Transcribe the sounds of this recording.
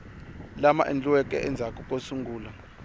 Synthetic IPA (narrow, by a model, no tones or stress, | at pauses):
lama̰ʔḛnd͡ɮʱʼuwɛkʼɛ̰ʔɛnd͡zʱakʼukʼosuŋɡʱuːla